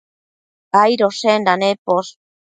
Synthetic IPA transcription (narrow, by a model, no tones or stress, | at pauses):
ajɾosend̪anepos